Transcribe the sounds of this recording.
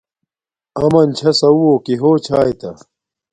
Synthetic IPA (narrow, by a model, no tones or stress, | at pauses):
ɐmɐnt͡ɕʰɐsɐwoːkiɦoːt͡ɕʰaːjt̪ɐ